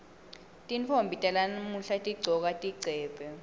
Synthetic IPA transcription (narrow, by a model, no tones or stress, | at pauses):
tʼint͡fʰombʱitʼalanmuɬatʼiɡ͡ǀʱɔk̬ʼatʼiɡ͡ǀʱɛːpɛ